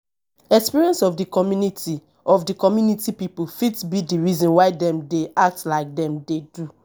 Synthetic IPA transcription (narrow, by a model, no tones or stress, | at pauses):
ɛkspiɹiɛ̃nsɔvdikɔmjuniti | ɔvdikɔmjunitipipufitsbidiɹizɔ̃nwaɪdɛ̃mdeʔak̚tlaɪk̚dɛ̃mdedu